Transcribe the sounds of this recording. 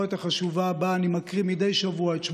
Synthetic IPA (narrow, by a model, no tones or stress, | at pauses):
ot̪aχaʃuvabaːnimakʁimide̞jʃavuaet̪ʃm